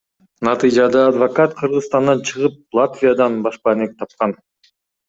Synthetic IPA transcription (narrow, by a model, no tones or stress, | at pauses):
nɑt̪ɨjd͡ʒɑd̪ɑːd̪vɐkat̪qʰɯɾʁɯsst̪ɑnd̪ɑt͡ʃʰɯʁɯp̚lˠat̪vʲijad̪ɑnbɑʃpɑnek̚t̪ʰɑp̚qɑn